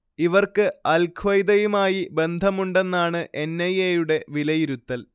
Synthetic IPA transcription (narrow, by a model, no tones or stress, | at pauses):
iʋɐrkɨɐlkʰʋɐjd̪ɐjumaːjibe̞nd̪ʱɐmuɳɖe̞nːaːɳɨʔenːɐjejuɽe̞ʋilɐjiɾut̪ːɐl